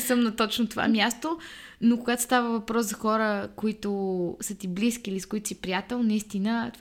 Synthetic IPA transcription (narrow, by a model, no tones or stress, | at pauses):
sɤmnɐt̪ɔt͡ʃnot̪ova̰mʲjast̪onokʊɡat̪o̥st̪avəvɐpɾɔszɐxɔɾəkoit̪ʊsət̪ibliskʲiːliskʊit̪ʊ̥sipɾijat̪ɛlˠnɐist̪inət̪